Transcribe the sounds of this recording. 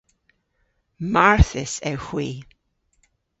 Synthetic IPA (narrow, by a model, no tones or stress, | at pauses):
maɹθɪsɛwhw̥iː